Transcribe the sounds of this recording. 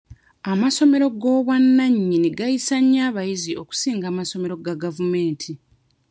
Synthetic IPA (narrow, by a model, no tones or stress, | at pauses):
amaso̞me̞ɾo̞ɡo̞ːβwanːaɲːineɡajisaɲːaːβajiziʔo̞ku̥siːŋɡaːmaso̞me̞ɾo̞ɡaɡavume̞ːntʰi